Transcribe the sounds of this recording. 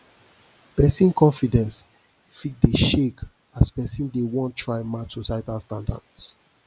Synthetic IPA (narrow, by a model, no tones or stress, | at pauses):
pɛsĩnkɔ̃nfidɛ̃ns | fit̚deʃek | aspɛsĩndewɔ̃ntʰːɹaɪmatsosaɪtastãnda̰ds